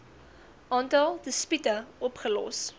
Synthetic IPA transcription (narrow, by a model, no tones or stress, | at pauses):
ʔɑːntɐlˠdəspitəɔpχəlɔ̰s